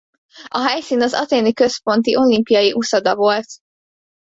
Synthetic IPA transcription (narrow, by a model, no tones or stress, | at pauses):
ɒɦɛjsiːnɒzɒ̰t̪eːnikø̞spo̞nt̪iʔo̞limpijɒjiʔusod̪ɒvo̞lt̪